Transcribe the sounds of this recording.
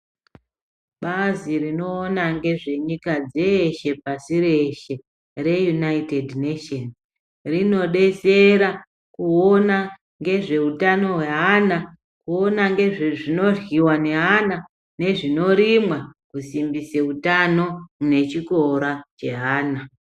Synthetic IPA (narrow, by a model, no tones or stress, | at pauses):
ɓazirino̞ːnaŋɡe̞ʐe̞ɲikad͡zeʃe̞pasiɾe̞ʃe | re̞junaitedneton | rino̞ɗe̞se̞ɾa | kuona | ŋɡe̞ʐe̞utano̞ɦwe̞ɦana | kuo̞naŋɡe̞ʐeʐino̞rwiwane̞ɦana | ne̞ʐino̞ɾimwakusimbiseutano̞ne̞t͡ʃiko̞ɾat͡ʃe̞ɦaːna